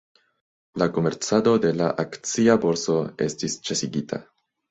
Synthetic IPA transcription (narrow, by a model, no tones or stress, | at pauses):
lako̞me̞ɾt͡sado̞de̞la̰ʔakt͡siabo̞ɾso̞e̞̰stist͡ʃesiɡitʰa̰